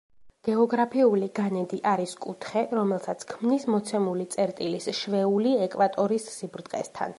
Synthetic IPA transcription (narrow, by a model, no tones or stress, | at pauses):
ɡ̥ɛɔɡɾapʰiuliɡanɛd̪iʔaɾiskʼut̪ʰχɛɾɔmɛlˠsat̪sʰkʰmnismɔt̪sʰɛmulit̪sʼɛɾt̪ʼilisʃvɛuliɛkʼvat̪ʼɔɾisːibɾd̪qʼɛ̰st̪ʰa̰n